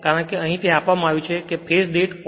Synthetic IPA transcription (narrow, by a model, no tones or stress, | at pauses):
kaɾəɳkeəɦĩt̪ʰeapʋamãaʋjũt͡ʃʰekepʰesɖeʈ